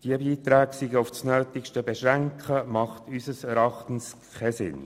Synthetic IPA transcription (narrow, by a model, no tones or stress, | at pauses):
d̥iəbiːt̪ɾæːksiɡəʊfsnøːt̪ɪkʃtəbɛʃʁæŋkχəmɑχtysəsɛɾɑχt̪ən̩skkʰɛsɪ̰n